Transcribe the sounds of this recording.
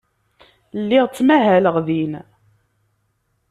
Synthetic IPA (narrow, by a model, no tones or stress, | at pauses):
lːiʁt͡sːmæɦæləʁðin